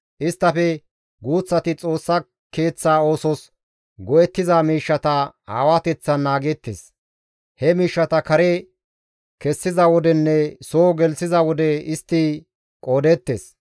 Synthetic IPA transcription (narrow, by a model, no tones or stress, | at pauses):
ʔɪst̪ːɐfɛ | ɡuːt͡sːɐt̪ɪt͡sʼo̞ːsːɐ | ke̞ːt͡sːaːo̞ːsɔs | ɡɔʔɛt̪ːɪzamiːʃːɐt̪ɐha̰ːwat̪ɛt͡sːɐnːaːɡɛt̪ːḛs | hɛmiːʃːɐt̪ɐkɐɾe | kɛsːɪzɐwɔd̪ɛnːɛsoːɡɛlsɪzɐwɔd̪ɛɪst̪ːiː | kʼo̞ːd̪ɛt̪ːes